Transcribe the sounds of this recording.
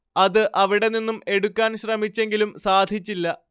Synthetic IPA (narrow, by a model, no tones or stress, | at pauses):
ɐðɨʔɐʋiɽe̞ninːume̞ɽukʲːaːnɕrɐmit͡ɕːe̞ŋɡilumsaːd̪ʱit͡ɕːilːɐ